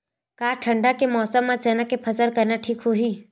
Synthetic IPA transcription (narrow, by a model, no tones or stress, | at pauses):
kaːʈʰə̃ɳɖakemɔːsəmːãt͡ʃɛːnakepʰɐsəɾkɐɾnaʈʰiːkɦoːɦiː